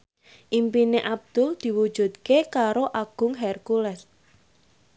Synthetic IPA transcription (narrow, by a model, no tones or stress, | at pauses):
ʔimpineʔab̚d̪̥ʊld̪̥i̤wud̥ʒ̥ṳt̪kekaɾoʔaɡ̥ʊ̤ŋɦɛrkulɛs